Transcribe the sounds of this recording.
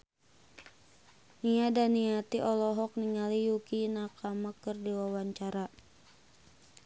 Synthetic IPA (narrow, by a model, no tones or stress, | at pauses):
niadaniat̪iʔɔlɔɦɔk̚niŋalijukinakamakərdiwawaɲt͡ʃaɾa